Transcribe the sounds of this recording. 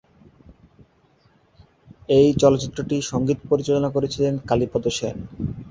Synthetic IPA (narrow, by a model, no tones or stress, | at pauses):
ejt͡ɕɔlotːɕit̪ːɾoʈiʃɔŋɡit̪poɾit͡ɕolonakoɾet͡ɕʰilenkalipɔd̪oʃen